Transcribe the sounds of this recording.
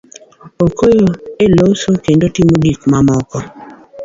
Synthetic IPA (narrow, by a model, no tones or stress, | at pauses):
okojoelosokendotimodikmamɔkɔ